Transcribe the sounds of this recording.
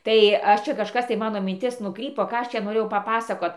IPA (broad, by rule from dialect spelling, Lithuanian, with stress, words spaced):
ˈtɐɪ ˈɐʃ ˈt͡ʃʲɛ kɐʃˈkɐs tɐɪ ˈmɑːnoː mʲɪnʲˈtʲɪs ˈnʊkrʲiːpoː ˈkɑː ˈɐʃ t͡ʃʲɛ noːˈrʲeːjɛʊ pɐˈpɑːsɐkoːt